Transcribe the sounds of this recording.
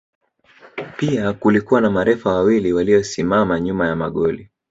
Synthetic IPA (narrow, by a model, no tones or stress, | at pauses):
piakulikuwanamaɾɛfawawiliwaliɔsimamaɲumajamaɠɔli